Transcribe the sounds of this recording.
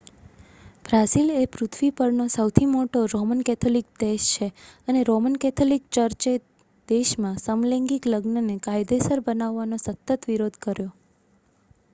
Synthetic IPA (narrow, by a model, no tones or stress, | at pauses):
b̥ɾasilepɾʊt̪ʰʋipəɾnosəwt̪ʰimoʈoɾomənkɛt̪ʰolik̚d̪eʃt͡ʃʰeəneɾomənkɛt̪ʰolik̚t͡ʃəɾt͡ʃe | d̪̥eʃmãsəmleŋɡikləɡnənekajd̪esəɾbənaʋːanosət̪ːət̪ʋiɾod̪ʱkəɾjo